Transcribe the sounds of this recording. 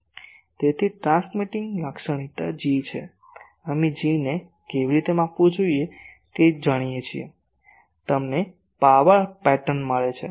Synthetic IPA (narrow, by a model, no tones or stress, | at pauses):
t̪et̪ʰiʈɾãsmiʈiŋɡlakʃəɽ̃it̪ad͡ʒit͡ʃʰḛ | əmid͡ʒine | keʋiɾit̪emapʋũd͡ʒoije | ked͡ʒəɽ̃ijet͡ʃʰiḛ | t̪əmne | paʋəɭpɛʈənməɭet͡ʃʰḛ